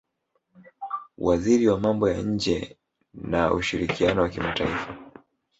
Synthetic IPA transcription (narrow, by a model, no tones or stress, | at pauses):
wʔaziɾiwamambɔjaɲ̩d͡ʒɛ | naṵʃiɾikʰianɔwakimataifa